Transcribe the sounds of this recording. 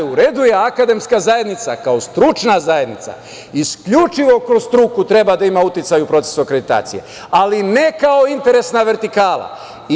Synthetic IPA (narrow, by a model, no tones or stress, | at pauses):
uɾed̪ujeakad̪e̞mskazaje̞d̪nit̪sa̰kaost̪ɾut͡ʃnazaje̞d̪nit̪sa̰ | iskʎut͡ʃiʋo̞kɾosst̪ɾukut̪ɾe̞bad̪aimaut̪it̪sajupɾo̞t̪esokɾe̞d̪it̪a̰ːt̪sije̞̰ | aline̞kao̞int̪e̞ɾe̞snaʋe̞ɾt̪ikaːla̰